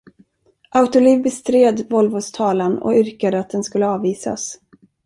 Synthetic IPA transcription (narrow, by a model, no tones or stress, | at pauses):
ʔaʊt̪ʊliːvbɛst̪ɾeːd̪vɔlvoːst̪ʰɑːlanɔ̰ʏɾkad̪əat̪̚d̪ɛnskɵlːəɑːviːsa̰s